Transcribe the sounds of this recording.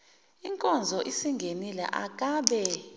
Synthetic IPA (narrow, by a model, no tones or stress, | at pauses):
iŋkʼɔnd͡zʱɔʔisiŋɡʱenilɛ̰ʔak̬ʼaːɓɛ